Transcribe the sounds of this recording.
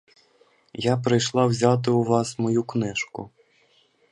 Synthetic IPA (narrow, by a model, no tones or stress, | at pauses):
japɾɪjʃlˠɑwzʲɑt̪̬ɪʊʋɑsmɔjuknɛʃkʊ̰